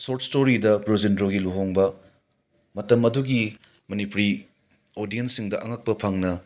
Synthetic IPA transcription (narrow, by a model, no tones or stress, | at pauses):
soɾtstoɾidɐbɾozindɾoɡiluɦoŋbɐ | mɐtɐmɐduɡi | mɐnipuɾi | odijensːiŋdɐʔɐŋak̚pɐpʰaŋnɐ